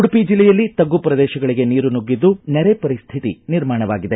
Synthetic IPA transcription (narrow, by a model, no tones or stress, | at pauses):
uɽupid͡ʒilːɛjɐlːit̪ɐɡːupɾɐd̪ɛːʃɐɡɐɭiɡe̞niːɾunuɡːid̪ːunɛɾepɐɾist̪ʰit̪ḭniɾmaːɳɐʋa̰ːɡid̪e̞